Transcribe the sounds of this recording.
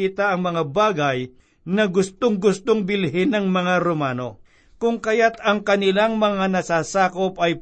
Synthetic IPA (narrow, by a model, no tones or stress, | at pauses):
it̪aʔɐŋmɐŋabaːɡɐj | nɐɡʊst̪oŋɡʊst̪oŋbɪlɦɪnɐŋmɐŋaɾomaːno̰ | kʊŋkɐjat̪ɐŋkɐnɪlaŋmɐŋanɐsaːsaːkopʔɐj